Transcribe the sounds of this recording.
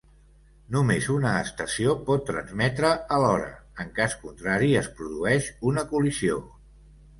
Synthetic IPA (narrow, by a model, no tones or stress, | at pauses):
numezunəːst̪əsiopɔt̪ːɾə̰nzmɛt̪ɾəːlɔɾə̰əŋkaskunt̪ɾaɾiəspɾuðuɛʃunəkulizio̰